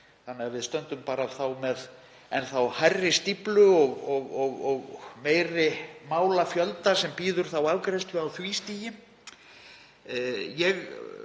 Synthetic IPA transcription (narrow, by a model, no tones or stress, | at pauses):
θanːɪavɪðst̪œnt̪ʏmpaːɾaːvθawmɛð | ɛnθawhajrːɪst̪iplʏɔɣɔɣɔɣɔɣmeːjrɪmaːwlafjœlt̪asɛmpiːðʏɾ̥θawavkɾɛst̪ʏawθviːst̪iːjɪ | jɛɣ